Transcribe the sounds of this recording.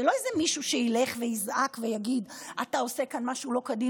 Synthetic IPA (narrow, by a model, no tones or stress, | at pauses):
elo̞ezemiʃuʃeile̞χvejizʔakvejaɡidatao̞se̞kanmaʃulo̞kadi